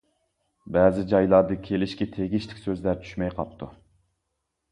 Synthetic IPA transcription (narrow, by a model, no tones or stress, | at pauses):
bæːzɪd͡ʒɑjlˠɑɾd̪ɪkʲʰelɪʃkʲit̪ʰeɡʲɪʃlɪ̥kʲsøzlæɾt͡ʃ̪ʰy̥ʃmɛjqʰɑ̰p̚t̪ʰu